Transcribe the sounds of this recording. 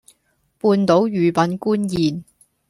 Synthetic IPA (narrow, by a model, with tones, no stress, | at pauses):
puː˧nt̪o˨˥wjyː˨˩pɐ˨˥nkuː˥njiː˨n